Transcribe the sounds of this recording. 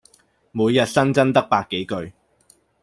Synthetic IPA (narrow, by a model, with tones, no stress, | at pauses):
muː˨˧jːɐ˨t̚sɐ˥nt͡sɐ˥nt̪ɐ˥k̚paː˧kːe˨˥jkɵ˧ɥ